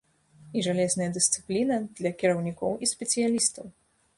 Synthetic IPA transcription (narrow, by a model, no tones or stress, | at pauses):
iʐalʲɛznɐjɐd̪ɨst̪sɨ̥plʲinɐd̪lʲɐkʲiɾɐwnʲikɔwisʲpʲɛt̪sɨjalʲist̪ɐw